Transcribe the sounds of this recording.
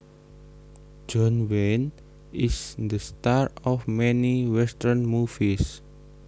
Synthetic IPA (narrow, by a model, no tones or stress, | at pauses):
d͡ʒɔnwen | ʔisd̪əst̪aɾɔfmɛniwɛst̪ərnmufis